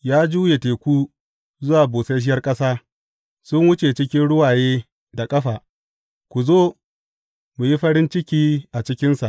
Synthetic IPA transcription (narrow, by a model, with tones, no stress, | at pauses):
jaː˦d͡ʒuː˦je˨teː˨kʷuː˦ | zʊ˦waː˨boː˨se˦ʃɪ˦jɐ˦rkʼɐ˦saː˦ | sʊ˦ŋwʊ˦t͡ʃe˨t͡ʃɪ˦kʲɪ˦nɽʊ˦waː˨jeː˦ | da˨kʼɐ˦ɸaː˨ | kʷu˨zoː˦ | mu˨ji˦ɸɐ˦ɾɪ˦nt͡ʃɪ˦kʲiː˦ʔa˨t͡ʃɪ˦kʲɪ˦nsa˨ʔ